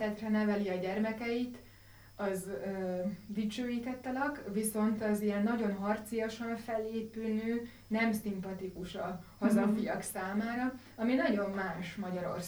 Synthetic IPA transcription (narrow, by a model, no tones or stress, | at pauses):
ɛt̪rɛnɛvɛliɒɟɛrmɛkɛjit̪ | ɒzødit͡ʃøːjiːt̪ɛt̪ːɛlɒkviso̞nt̪ɒzijɛnːɒɟo̞nɦɒrt̪sijoʃɒɱfɛlːeːpylnøː | nɛmsimpɒt̪ikuʃɒhɒzɒfijɒksaːmaːɾɒ | ɒminɒɟo̞mːaːʃmɒɟɒɾo̞̰rs